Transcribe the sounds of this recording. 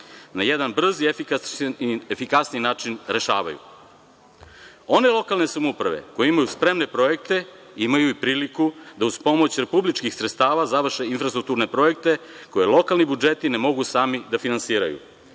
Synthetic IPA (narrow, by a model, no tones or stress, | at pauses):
najed̪anbr̩ziefika | efikasninaːt͡ʃinɾe̞ʃa̰ːʋa̰jṵ | o̞ne̞lˠo̞kalˠne̞samupɾaʋḛko̞jeimajuspɾe̞mne̞pɾo̞je̞k̚t̪e̞ | imajuipɾiːlikud̪auzpo̞mo̞t͡ɕɾe̞publit͡ʃkixsɾet̪st̪aːʋazaʋr̩ʃeinfɾast̪ɾuk̚t̪uɾne̞pɾo̞je̞k̚t̪e̞ | ko̞jelˠo̞kalnibud͡ʒe̞t̪ine̞mo̞ɡusaːmid̪afinansiːɾa̰jṵ